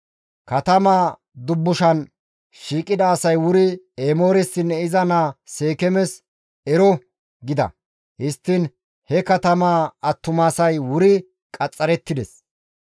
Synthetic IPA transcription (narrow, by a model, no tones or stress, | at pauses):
kɐt̪ɐmaː | d̪ʊbːʊʃɐn | ʃiːkʼːɪd̪ɐːsɐjwʊɾɪ | eːmo̞ːɾɛsɪnːɛɪzɐnaseːkɛmɛs | ɛɾɔ | ɡɪd̪ɐ̰ | hɪst̪ːɪn | hɛkɐt̪ɐmaːɐt̪ːʊmaːsɐjwʊɾɪ | kʼɐt͡sʼːɐɾɛt̪ːɪd̪ɛs